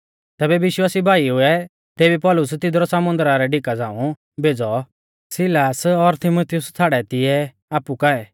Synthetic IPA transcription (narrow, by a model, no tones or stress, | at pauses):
t̪ɛːbɛʋɪʃwaːsibʱaːiɦʊɛ | t̪eːbipɔlʊst̪ɪd̪ɾɔsɐmʊ̃nd̪əɾaɾɛɖɪkad͡zãːũ | bʱeːd͡zɔ | sɪlaːsɔɾt̪ʰɪmot̪ʰɪjʊst͡sʰaːɽɛt̪ɪɛ | aːpukaɛ